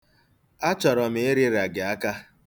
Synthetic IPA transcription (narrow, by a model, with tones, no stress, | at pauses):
a˦t͡ʃɔ˨ɾɔ˨mɪ˨e˦ɾi˦ɾa˨ɡɪ˨a˦ka˦